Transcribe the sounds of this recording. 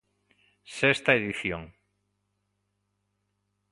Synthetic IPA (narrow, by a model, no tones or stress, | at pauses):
sest̪aeðiθjoŋ